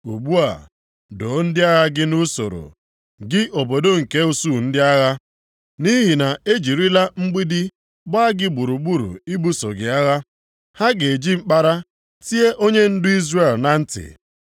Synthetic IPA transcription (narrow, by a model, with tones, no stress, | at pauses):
u˨ɡ͡bu˦a̰˨ | do˨˦n̩˦dɪ˦a˦ɣa˦ɡɪ˦nu˦so̰˨ɾo̰˨ | ɡɪ˦ʔo˨bo˨do˦ŋ̩˨ke˦u˨su˦˨n̩˦dɪ˦a˦ɣa˦ | ni˦ɦi˨na˨e˦d͡ʒi˨ɾi˦la˦ŋ͡m̩˦ɡ͡bi˦dɪ˦ | ɡ͡ba˦a˦ɡɪ˦ɡ͡bu˨ɾu˨ɡ͡bu˦ɾṵ˨i˦bu˦so̰˨ɡɪ˨a˦ɣa˦ | ha˦ɡe˨e˨d͡ʒi˦ŋ͡m̩˦k͡pa˦ɾa˦ | ti˦e˦ʔo˦ɲe˦n̩˦dʊ˦i˦zre˨lna˨n̩˦tɪ̰˨